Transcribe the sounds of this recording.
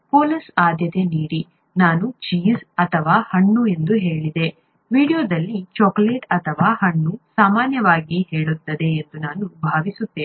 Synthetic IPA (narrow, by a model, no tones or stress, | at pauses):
poːlisaːd̪ʱjɐt̪e̞niːɽi | naːnut͡ʃiːzɐt̪ʰɐʋaːhɐɳːue̞nd̪uɦe̞ːɭid̪e̞ | ʋiːɽijoːd̪ɐlːit͡ʃɔːkleːʈɐt̪ʰɐʋaːhɐɳːusaːmaːnjɐʋaːɡihe̞ːɭut̪ːɐd̪e̞ːnd̪unaːnubʱaːʋisut̪ːe